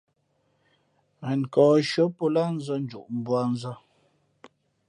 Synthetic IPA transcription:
mɛ˨n˨kɔː˨ʃə˦po˦la˦˨n̩˦zə˦n̩˦d͡ʒṵ˨ʔm̩˦bwa˦˨n̩˦zə˦

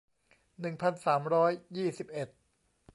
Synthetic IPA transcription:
nɯ˨˩ŋpʰa˧nsaː˩˦mɾɔː˦˥jːiː˥˩si˨˩p̚ʔe˨˩t̪̚

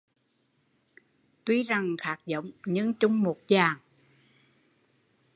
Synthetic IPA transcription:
t̪wi˧˦za˨˩ŋxaː˨˦˥k̚zə̰˧˨wŋ͡mɲɨ˧˥ŋt͡ɕʊ˧˦ŋ͡mmo˨˩t̚zaː˨˩ŋ

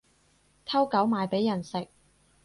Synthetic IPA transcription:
t̪ʰɐ˥wkɐ˨˥wmaː˨˧jpe˨˥jːɐ˨˩nsɪ˨k̚

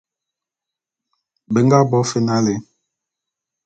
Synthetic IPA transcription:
be˨ŋɡa˦bɔ˨˦fe˦na˦le˨˦

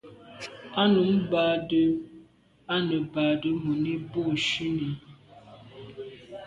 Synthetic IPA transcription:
a˦nu˨˦mba˨də˦ | a˦nə˨ba˨də˦mu˨ni˦bu˦˨ʃi˦ni˨˦

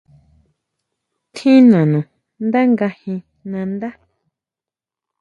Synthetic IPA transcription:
t̪ʰĩ˦nã˨nũ˨ | nd̪a˦ŋɡa˧hĩ˧ | nã˧nd̪a˦

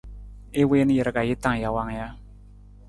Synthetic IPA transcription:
e˦we˦n˦jə˨ɾɡa˨ji˦ta˨ŋ˨ja˨wa˦˨ŋ˦ja˦

